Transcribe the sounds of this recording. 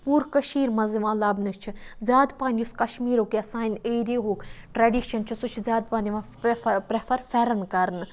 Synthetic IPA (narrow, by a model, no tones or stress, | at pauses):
puːɾkɐʃiːɾmɐziʋãːlɐbnɨt͡ʃʰizʲjaːd̪paːnd̪ʲjuskɐʃmiːɾoːkjasaːjneːɾiːɦoːkʈɾɐːɖiːʃɐnt͡ʃʰisut͡ʃʰizʲjaːd̪̚pãːnd̪ʲiʋãː | pɾɐfʰɐɾfeɾɐnkɐɾn